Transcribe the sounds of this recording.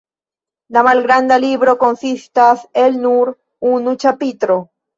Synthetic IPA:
d̪amalɡɾand̪aliβɾokonsist̪aselnuɾ | unut͡ʃapit̪ɾo

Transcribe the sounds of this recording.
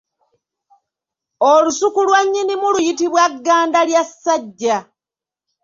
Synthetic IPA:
olusukulwaɲːinimulujitiβwaɡːaːndaljasːaɟːa

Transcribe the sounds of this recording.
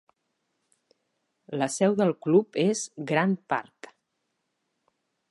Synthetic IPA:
ləsɛwðəlˠklupezɡɾanpa̰ɾk

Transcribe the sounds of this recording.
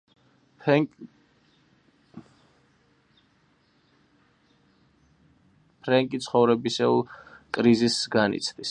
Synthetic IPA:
pʰɾɛŋkʼit̪sʰχɔvɾɛbisɛkʼɾizisɡanḭt̪sʰd̪is

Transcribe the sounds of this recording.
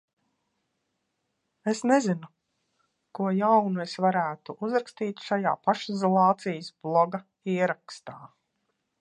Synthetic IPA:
esnezinu | kuɔjawnuesvaɾæːt̪uʔuzɾakst̪iːt̪ʃaja̰ːpaʃizɔlˠɑːt̪sijəsblˠɔɡa | iɛɾakst̪aː

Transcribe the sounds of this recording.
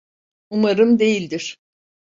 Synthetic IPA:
umaɾɯmd̪e̞jilʲd̪iɾ̥

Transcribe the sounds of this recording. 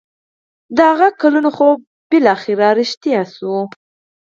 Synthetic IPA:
d̪əhaɣakalunoxo | b̥ɪlɑxɪɾaɾɪʃt̪jasu

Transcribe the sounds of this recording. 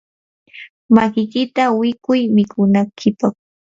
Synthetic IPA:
makɪjkɪt̪awɪkʊjmɪkʰʊnaŋkʰɪpɑχ

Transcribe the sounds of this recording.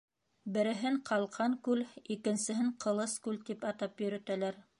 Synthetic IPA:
bɘ̆ɾɘ̆ɦɘɴqʰɑlˠqɑŋkʉlikɘ̆nsɘ̆ɦɘɴqɤ̆lˠɤskʉlt̪ipɑt̪ɑpjɵ̆ɾɵ̆t̪ælæɾ

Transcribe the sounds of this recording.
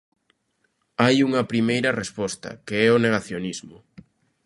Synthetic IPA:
ajuŋɐpɾimejɾɐrespɔst̪ɐ̰keɛoneɣaθjonizmʊ

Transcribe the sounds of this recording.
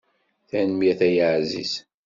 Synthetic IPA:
θænmjæθæjəʕzḭs

